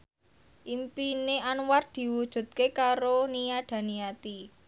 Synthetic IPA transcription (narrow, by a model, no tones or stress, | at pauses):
ʔimpineʔanward̪̥i̤wud̥ʒ̥ṳt̪̚kekaɾoniaɖ̪̥ä̤nijat̪i